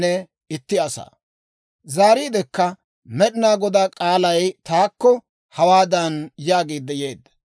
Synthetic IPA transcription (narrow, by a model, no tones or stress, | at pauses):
nɛ | ɪt̪ːɪɐsa̰ː | zaːɾiːd̪ɛkːɐ | mɛɗɪnaːɡɔd̪aːkʼaːlɐjt̪aːkːɔ | hɐwaːd̪ɐnjaːɡiːd̪ːɛje̞ːd̪ːɐ̥